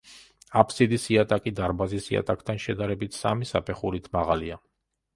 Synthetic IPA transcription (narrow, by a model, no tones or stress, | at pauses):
apʰsid̪isiat̪ʼakʼid̪aɾbazisia̰t̪ʼakʰʼt̪ʰanʃɛd̪aɾɛbit̪ʰsa̰misapʰɛχuɾit̪ʰmaʁalia